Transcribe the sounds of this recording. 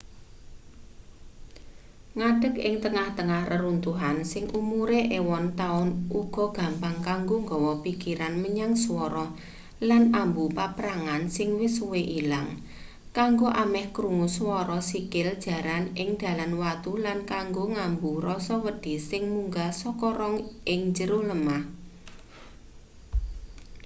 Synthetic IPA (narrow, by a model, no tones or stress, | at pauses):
ŋaɖ̥ə̤k̚ɪ̰ŋt̪əŋaht̪əŋahrʔəɾunt̪uɦansɪŋʔumuɾeʔewɔnt̪aʊnʔuɡ̥ɔ̤ɡ̥ä̤mpaŋkaŋɡoŋɡɔ̤wɔpikiɾanməɲaŋswɔɾɔ | lanambupapɾaŋansɪŋwɪsuweʔilaŋ | kaŋɡoʔamɛhkɾuŋuswɔɾɔsikɪld̥ʒ̥ä̤ɾanɪŋd̪̥a̤lanwat̪ulankaŋɡoŋambuɾɔsɔwəd̥i̤sɪŋmuŋɡasɔkɔɾɔŋʔɪŋɲd͡ʒəɾʊhləmah